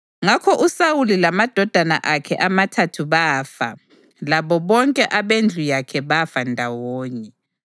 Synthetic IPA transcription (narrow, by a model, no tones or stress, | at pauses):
ŋakʰɔʔusawulilamad̥ʱɔd̥ʱana̰ʔakʰɛʔamatʰatʰuβaːfa̰ | laβɔβɔŋkʼɛʔaβend͡ɮʱujakʰɛβafandʱawɔːɲɛ